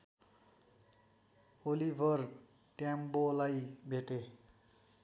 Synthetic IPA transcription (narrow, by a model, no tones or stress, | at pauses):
olibʱʌr | ʈjambolajbʱeʈe